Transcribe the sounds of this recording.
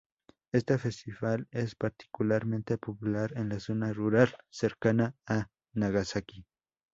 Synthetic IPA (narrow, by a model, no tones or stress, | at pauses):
est̪efe̞st̪iβalespaɾt̪i̥kulaɾment̪epopulaɾenlaso̞naruɾalseɾkanaː | naɣasaki